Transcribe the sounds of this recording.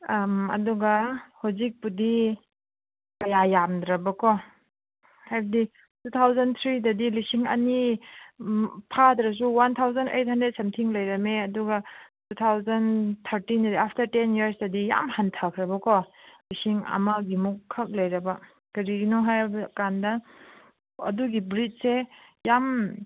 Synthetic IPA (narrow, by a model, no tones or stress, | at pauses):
mɐ̰duɡɐhawzik̚pudi | kɐjajamd̪ɾɐbɐkʰɔ | hajbɐdi | tut̪ʰawzɐnt̪ʰɾidɐdilisiŋɐ̰ni | pʰadɾɐs̬uwant̪ʰawzɐnḛjt̚hɐndɾet̚sɐmtʰiŋlɐjɾɐmeɐduɡɐtut̪ʰawzɐnt̪ʰɐɾtindɐdiapʰtɐɾtenjiɐɾsdɐdija̰mhantʰakʰɾɐbɐkʰɔlisiŋɐ̰mɐɡimukʰːɐk̚lɐjɾɐbɐ | kɐɾiɡinɔɦajbɐkandɐ | ɐ̰duɡibɾit̚sejam